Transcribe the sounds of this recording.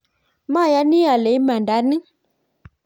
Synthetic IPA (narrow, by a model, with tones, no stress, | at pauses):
ma˦˨ja˦ni˦a˨le˨˦ma˨nda˨˦ni˦